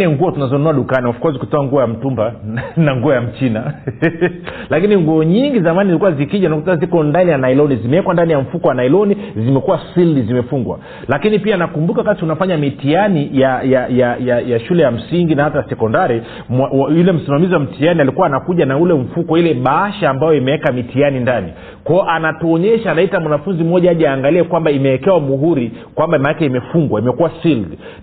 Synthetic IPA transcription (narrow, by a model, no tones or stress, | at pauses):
nɛŋɡuɔtunazɔnɔaɗukaniwafkɔzikutɔaŋɡuɔjam̩tumbanaŋɡuɔjam̩t͡ʃina | lakiniŋɡuɔɲiŋɡizamanizlikuwazikiʄanakutazikɔndanijanailɔnizimɛɛkwandanijam̩fukɔwanailɔnizimɛkuwasilizimɛfuŋɡwa̰ | lakinipianakumbukakasunafaɲamitianijajajajajaʃulɛjam̩siŋɡinahatasɛkɔndaɾi | mawajulɛm̩simamiziwam̩tianialikuwaːnakuʄanaulɛm̩fukɔilɛɓaaʃaːmbajɔimɛwɛkamitianindani | kwaɔʔanatɔːɲɛʃaːnaitamwanafunzim̩ɔʄaːʄaaːŋɡaliɛkwambaimɛɛkɛwamuɦuɾikwambamanakɛimɛfuŋɡwaimɛkuwasil